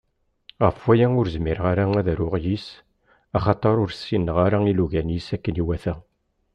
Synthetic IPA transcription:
ʁəfwæjæʊɾzmiɾʁaɾaæðɾʊʁjis | ɑχɑt̪ˤɑɾˤʊɾsːinːəʁaɾailuʝænisækːəniwæθæ

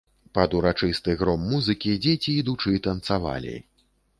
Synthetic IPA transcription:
pɐd̪uɾat͡ʂɨst̪ɨɣɾɔmːuzɨkʲid͡zʲet͡sʲiːd̪ut͡ʂɨt̪ɐnt̪sava̰lʲḭ

